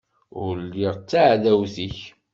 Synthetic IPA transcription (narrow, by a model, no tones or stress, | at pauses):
ʊɾliʁt͡sːaʕðæwθiç